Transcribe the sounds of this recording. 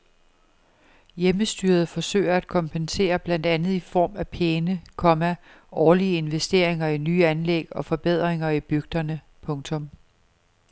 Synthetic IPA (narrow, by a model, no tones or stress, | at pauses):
jeməsd̥yːɐð̞̩ˠfɒ̽sø̰ɪɐæd̥̚kʰɒ̽mpʰense̝̰ːɐb̥læn̰d̥ænð̞̩ˠifɒ̰ːmæpʰeːnəkʰɒ̽mæ | ʔɒːliəe̝nʋesd̥e̝ɐ̰e̝ŋɐinyːænleɡ̥ɒ̽fɒ̽b̥e̝ð̞̰ˠʁeŋɐib̥yɡ̥̚d̥ɐnə | pʰɔ̽ŋt͡sʰɔ̽m